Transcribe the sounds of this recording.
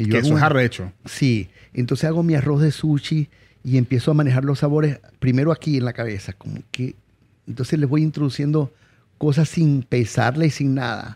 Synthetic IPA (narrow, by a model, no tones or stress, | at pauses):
ʝoaɣuharaet͡ʃosient̪onsesaɣo̞miaro̞zðesut͡ʃiː | e̞mpje̞soamanexaɾlo̞sːaβo̞ɾes | pɾime̞ɾoakienlakaβesakomo̰ke | ent̪onseslezβo̞jint̪ɾoðusje̞nd̪o | ko̞s̬asːinpesa̰ɾlaisiŋna̰ða̰